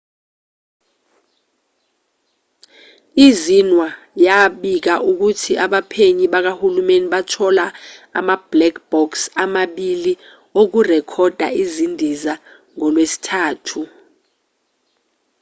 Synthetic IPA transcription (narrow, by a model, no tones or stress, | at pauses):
izinwa | jaɓik̬aʔuk̬utʰiʔaɓapʰeɲiɓak̬ahulumeniɓatʰɔlaa̰mab̥lɛk̚ʰb̥ɔksamaɓili | ok̬urɛkʰɔd̥ʱa̰izindʱiza | ŋɔlwesi̥tʰaːtʰu